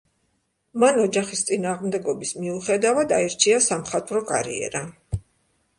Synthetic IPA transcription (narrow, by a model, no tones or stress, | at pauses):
manɔd͡ʒaχist̪sʼinaːʁmd̪ɛɡɔbismiuχɛd̪avad̪aiɾt͡ʃʰiasamχat̪ʼɾɔkʼa̰ɾḭɛ̰ɾa